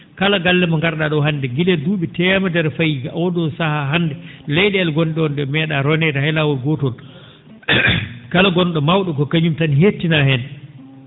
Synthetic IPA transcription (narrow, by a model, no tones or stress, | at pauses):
kalaɡalːɛmaŋɡaɾɗaɗɔɦandɛɡilɛduɓɛtɛmadɛɾfajiɡaʔwɔdɔsahaɦanːdɛlɛjɗɛːlɡɔnɗɛɔnɗɛmɛːɗaɾɔnɛtahajlawɔlɡɔtɔl | kalaɡɔnɗɔmawɗɔkɔkaɲumtanɦetːinahɛn